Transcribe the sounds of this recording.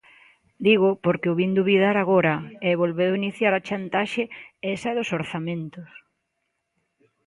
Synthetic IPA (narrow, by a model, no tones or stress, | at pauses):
d̪iɣʊpoɾkɪʊβind̪uβiðaɾaɣoɾɐɛβolβeðʊiniθjaɾat͡ʃant̪aʃeɛsɐɛðʊsoɾθamẽnt̪ʊs